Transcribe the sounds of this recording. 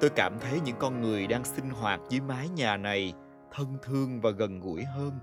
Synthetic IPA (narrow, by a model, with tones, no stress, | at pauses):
t̪o˧jkaː˧˩mt̪ʰə˨˦jɲɨ̰˧˥ŋkɔ˧nŋɨ˨˩əjɗaː˧ŋsï˧ŋ̟ɦwaː˨˩t̚zɨ˨˦jmaː˨˦jɲaː˨˩na˨˩j | t̪ʰə˧nt̪ʰɨ˧əŋvaː˨˩ɣə˨˩nɣṵ˧˩əjɦəː˧n